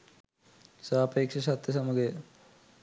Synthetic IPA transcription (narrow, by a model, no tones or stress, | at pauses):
saːpeːkʂɐsɐt̪jɐsɐmuɡe